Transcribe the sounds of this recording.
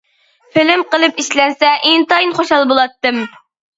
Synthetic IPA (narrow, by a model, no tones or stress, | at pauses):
fɪlɪmqəlˠɨpiʃlɛnsɛʔɪnt̪ɑinχoʃɑlˠbolˠɑt̪ːɨm